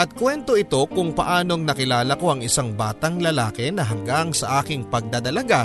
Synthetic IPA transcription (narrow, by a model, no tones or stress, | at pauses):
ʔɐt̪̚kwɛnt̪o̞ʔɪt̪o̞kʊŋpɐʔaːno̞ŋnɐkɪlaːlɐko̞ʔɐŋʔɪsaŋbaːt̪ɐŋlɐlaːkɛnɐɦɐŋɡaŋsɐʔaːkɪŋpɐɡ̚d̪ad̪ɐlɐɡa